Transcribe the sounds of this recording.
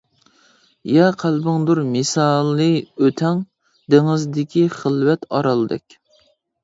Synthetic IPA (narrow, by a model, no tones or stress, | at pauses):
jɛqʰælbɪŋd̪uɾmɪsɑlˠːɨøt̪ʰɛŋ | d̪eŋɨzd̪ɪkʲʰiχəlˠvɛt̪ɑɾɑlˠɨd̪ɛ̰kʲ